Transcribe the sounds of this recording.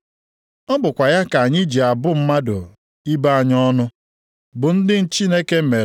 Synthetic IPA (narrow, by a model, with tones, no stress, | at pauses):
ɔ˦bʊ˨kʷa˨ja˦ka˨ɲɪ˦d͡ʒi˨a˨bʊ˦m̩˦ma˦dʊ̰˨ | i˦ba˦a˨ɲɔ˦nʊ˦ | bʊ˨n̩˦dɪ˦n̩˦t͡ʃi˦ne˦ke˦me˨ɾ